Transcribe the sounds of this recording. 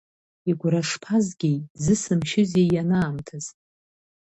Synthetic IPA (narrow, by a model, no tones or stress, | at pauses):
iɡʷraʂpʰazɡʲizɨsɨmʃɪzejanaːmtʰɨz̥